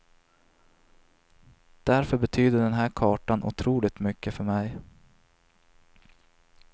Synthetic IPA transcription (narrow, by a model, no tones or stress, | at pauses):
d̪̥æɾfœɾbɛt̪ʰyːd̪əɖɛnɦæːɾkʰɑːʈanʔʊ̰t̪ʰɾuːlɪt̪mʏkːəfœɾmɛj